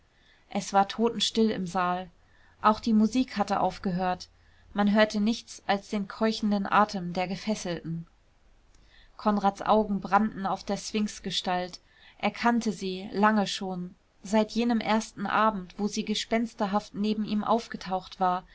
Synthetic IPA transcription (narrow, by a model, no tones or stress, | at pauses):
ʔɛsv̥aːɐtʰoːtn̩ʃtɪlɪ̰mzaːl | ʔaʊxd̥iːmuziːkhatəʔa̰ʊfɡ̥əɦøːɐt | manɦøːɐtənɪçt͡salsd̥eːnkʰɔʏçn̩dənʔa̰ːtʰəmdeːɐɡəfɛsl̩tn̩ | kʰɔnʁaːtt͡sʔa̰ʊɡŋ̩bʁandn̩aʊfd̥eːɐt͡sv̥ɪŋsɡ̥əʃtalt | ʔeɐkʰantʰəziːlaŋəʃoːn | zaɪtjeːnəmʔeːɐstn̩ʔaːbm̩tv̥oːziːɡəʃpɛnstɐɦaftneːbm̩iːmʔa̰ʊfɡ̥ətʰaʊxtv̥aːɐ